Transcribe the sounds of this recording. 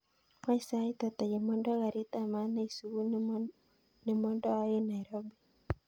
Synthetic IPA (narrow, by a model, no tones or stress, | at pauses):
maisait̪at̪ajɛmɔndɔɣaɾit̪amanaisuwun | nɛmɔndɔajɛnaiɾɔbi